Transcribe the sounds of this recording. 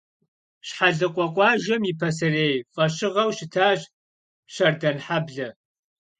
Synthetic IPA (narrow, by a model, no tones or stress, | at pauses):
ɕħaɮɐqʷʼɔkʷʼɑːʒɐmipʰɐsɐreːjfʼɐɕɪʁɐwʃɪtʰaːɕ | ɕɐrdɐnħabɮɐ